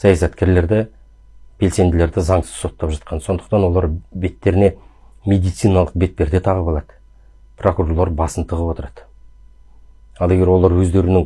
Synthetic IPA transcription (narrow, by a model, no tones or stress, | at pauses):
sɑjɑsɑt̪kʲe̞ɾle̞ɾd̪ɪ | b̥e̞lse̞nd̪ɪle̞ɾd̪ɪzɑɴsə̥zso̞t̪ːɑpʒɑt̪̚qʰɑnso̞nd̪ə̥qt̪ɑnwo̞lˠɑɾbe̞t̪ːe̞ɾɪne̞ | mʲe̞d̪ijt̪sɨjnɑlˠəq̚be̞t̪ːʲe̞ɾd̪e̞t̪ʰɑʁəpɑlˠɑd̪̥ə | pʰro̞kuɾoɾlˠɑɾbɑsənt̪ʰəʁəpwo̞t̪əɾɑd̪̥ə | ɑlˠeɡʲeɾwo̞lˠɑɾwɵzd̪e̞ɾɪnɪŋ